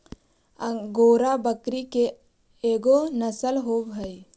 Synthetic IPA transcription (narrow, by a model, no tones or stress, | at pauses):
ɡoːɾabəkɾike | eːɡonəsəlɦobʱəi